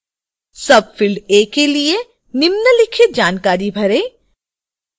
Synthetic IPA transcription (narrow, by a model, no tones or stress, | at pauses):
sɐb̚fɪlɖeːkelie | nɪmnəlɪkʰɪt̪̚d͡ʒaːnkaːɾibʱɐɾẽː